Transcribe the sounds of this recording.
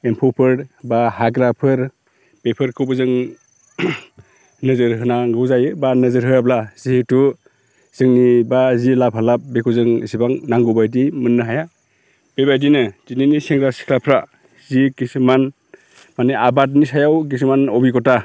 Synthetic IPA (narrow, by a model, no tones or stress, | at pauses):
empʰɔwpʰɯɾbahaɡɾapʰɯɾ | bepʰɯɾkʰɯwbɯzɯŋ | nɯzɯɾɦɯnaŋɡɯwzajɯbanɯzɯɾɦɯjablaz̥ihetu | z̥ɯŋnibazilap̚ɦalap̚bekʰuzɯŋisibaŋnaŋɡɯbajdimɯnːɯɦaja | b̥ebajdinɯz̥ininiseŋɡɾasi̥kʰlapʰɾa | ziɡisɯman | maneʔabat̬̚nisajawɡis̬umanɔbikɔta